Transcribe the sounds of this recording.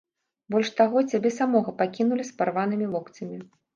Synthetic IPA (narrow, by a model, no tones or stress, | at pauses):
bɔlʲʂt̪aɣɔt͡sʲabʲɛsamɔɣɐpakʲinulʲisparvanɨmʲivɔkt͡s̪ʲɐmʲi